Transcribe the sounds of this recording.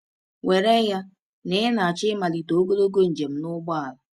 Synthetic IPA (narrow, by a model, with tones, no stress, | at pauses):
we˨ɾe˦ja˦ | nɪ˦na˨a˨t͡ʃɪ˦ma˨li˨to˨o˦ɡo˦lo˦ɡo˦n̩˨d͡ʒe˨m̩˦nʊ˦ɡ͡ba˦a˨la˨